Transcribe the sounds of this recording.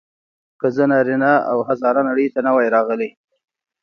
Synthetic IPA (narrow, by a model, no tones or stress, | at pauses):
kəzənɑɾinaa̰whazɑɾɑnaɽəjt̪anawajɾɑɣəle